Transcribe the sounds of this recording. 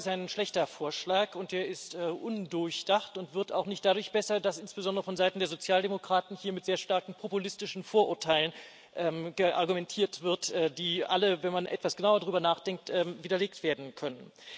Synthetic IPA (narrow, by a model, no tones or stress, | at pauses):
ɪstaɪnʃlɛçtɐfoːɐʃlaːkʊnt̚d̥eːɐɪstɛːʔʊndʊɐçd̥aχtʊntv̥ɪɐta̰ʊxnɪçt̚d̥adʊɐçb̥ɛsɐdasʔɪnsb̥əzɔndəʁəfɔnzaɪtn̩deːɐzot͡sjaːldemokʁ̥aːtn̩hiːɐmɪtz̥eːɐʃtaɐkŋ̩pʰopulɪstɪʃn̩foːɐʔʊɐtʰaɪlən | ʔɛːmɡəʔa̰ʁɡumɛntʰiːɐtv̥ɪɐtʔɛdiːʔa̰ləvɛnmanʔɛ̰tv̥asɡ̥ənaʊɐdʁyːbɐnaːχd̥ɛŋk̚tʔɛːviːdɐleːk̚tv̥eːɐdn̩kʰœnən